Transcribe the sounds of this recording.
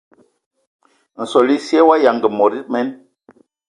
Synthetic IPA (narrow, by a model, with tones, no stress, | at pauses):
n̩˨sɔ˨li˦si˦ɛ˦wa˦ja˨ŋɡə˨mɔ˨ɾi˦t̚mɛ˦n